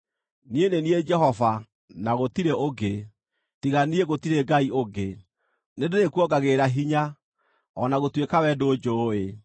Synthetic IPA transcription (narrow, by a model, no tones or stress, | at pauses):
nienenied͡ʒɛɦɔva | naɣotiɾeoɡe | tiɣanieɣotiɾeɡaioɡe | nedoɾekwɔɡaɣeɾaɦiɲa | ɔnaɣotwekawɛdod͡ʒoːe